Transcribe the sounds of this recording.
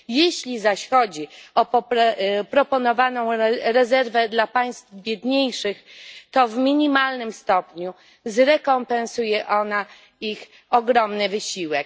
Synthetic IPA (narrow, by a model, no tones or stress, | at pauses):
jeɕlʲizaɕxɔd͡ʑiɔpɔpɾɔpɔnɔvanɔ̃w̃ɾɛzɛɾvɛd̪lapaj̃st̪vbʲjɛd̪ɲejʂɘxt̪ɔvmʲiɲimalnɘmst̪ɔpɲu | zɾɛkɔmpɛ̃ñsujɛʔɔna | ix | ɔɡɾɔmnɘvɘɕiwɛk̚